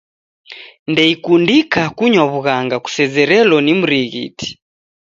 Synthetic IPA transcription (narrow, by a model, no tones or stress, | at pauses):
ndɛikundikakuɲwaβuɣaŋɡaku̥sɛzɛɾɛlɔnimuɾiɣḭtʰi̥